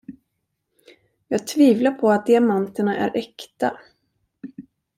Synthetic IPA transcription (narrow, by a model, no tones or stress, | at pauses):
jɑːɡ̚t̪ʰviːvlapʰɔat̪̚d̪ɪamant̪əɳaʔæ̰ɾʔɛkt̪a